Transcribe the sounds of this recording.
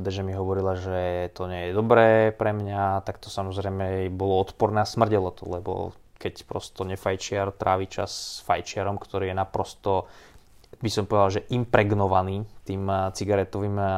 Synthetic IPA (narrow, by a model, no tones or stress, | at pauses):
d̪aʒɛmiɦɔʋɔɾilaʒɛt̪ɔɲɛjɛd̪ɔbɾɛːpɾɛmɲat̪akt̪ɔ̥samɔzɾɛjmɛbɔlɔɔt̪pɔɾnɛːasmr̩ɟɛlɔt̪ɔ̰lɛbɔ̰ | kɛcpɾɔ̰st̪ɔɲɛfajt͡ʃɪaɾt̪ɾʔaːʋit͡ʃa̰sfa̰jt͡ʃɪaɾɔmkt̪ɔɾiːjɛnapɾɔst̪ɔ | bisɔmpɔʋɛd̪alʒɛʔimpɾɛɡnɔʋaniːt̪iːmt͡siɡaɾɛt̪ɔʋiːm